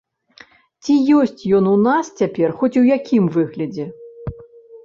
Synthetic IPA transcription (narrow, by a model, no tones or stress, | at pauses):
t͡sʲijɔsʲt͡sʲjɔnunast͡sʲapʲɛrxɔt͡sʲujakʲimvɨɣlʲɐd͡zʲɛ